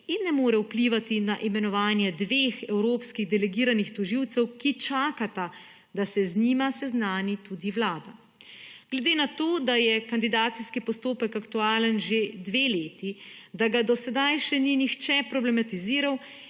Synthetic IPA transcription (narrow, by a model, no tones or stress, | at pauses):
inːɛmoːɾɛwpliʋat̪inaʔimɛnɔʋaːnjɛd̪ʋeːxɛwɾoːpskiɣd̪ɛlɛɡiːɾanixt̪ɔʒiwt̪sɛwkit͡ʃaːkat̪a | d̪asɛzniːmasɛznaːnit̪uːd̪iʋlaːd̪a | ɡ̥lɛd̪eːnat̪oːd̪ajɛkand̪id̪aːt̪siskipɔst̪oːpɛkakt̪uaːlənʒed̪ʋeːleːt̪id̪aɡad̪ɔsɛd̪ajʃɛninixt͡ʃɛpɾɔblɛmat̪iziːɾaw